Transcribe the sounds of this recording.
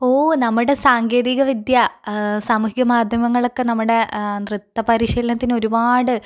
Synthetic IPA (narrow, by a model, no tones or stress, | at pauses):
oːnɐmːuɽe̞saːŋɡe̞ːðiɣɐʋid̪jɐsaːmuɦiɡɐmaːd̪ʱjɐmɐŋːɐɭo̞kːenɐmːuɽe̞nrɨt̪ːɐpɐɾiɕilɐnɐt̪ːino̞ɾubaːɽɨ